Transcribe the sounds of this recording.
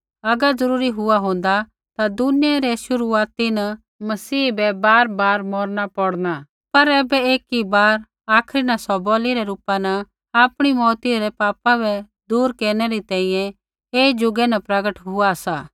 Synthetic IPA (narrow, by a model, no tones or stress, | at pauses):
ɐɡəɾzɐɾuːɾiɦʊaɦʊ̃ːn̆d̪a | t̪ad̪ʊnɪjaɾɛʃʊɾuaːt̪inɐ | mɐsiːbɛbaːɾbaːɾmɔːɾnapɔɽna | pɐɾɛːbɛeːkibaːɾ | aːkʰɾinasɔbɔːliɾɛɾuːpanɐ | aːpɽ̃imɔːt̪iɾɛpaːpabɛ | d̪uːɾkeːɾñɛɾit̪ɛ̃ːĩːjɛ̃ | eːd͡ʒʊɡɛnapɾɐɡəʈɦʊasaː